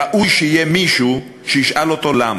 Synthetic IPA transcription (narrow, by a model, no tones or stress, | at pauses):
aʔujʃeijemiʃu | ʃejiʃʔalot̪olam